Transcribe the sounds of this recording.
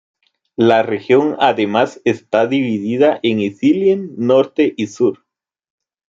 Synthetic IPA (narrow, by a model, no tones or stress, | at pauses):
larexjo̞ŋaðemasest̪aðiβiðiðaʔeŋisiljenːo̞ɾt̪eʔisuɾ